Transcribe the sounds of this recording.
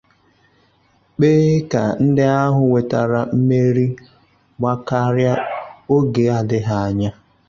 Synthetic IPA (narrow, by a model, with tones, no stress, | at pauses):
k͡peː˦ka̰˨n̩˦dɪ˦a˦ɦʊ˨we˨ta˨ɾa˨m̩˦me˦ɾi˦ | ɡ͡ba˦ka˦ɾja˦o˦ɡe˨a˨dɪ˦ɦa˨a˨ɲa˦